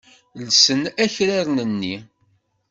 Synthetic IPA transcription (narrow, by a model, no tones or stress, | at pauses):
lsənæçɾaɾnənːi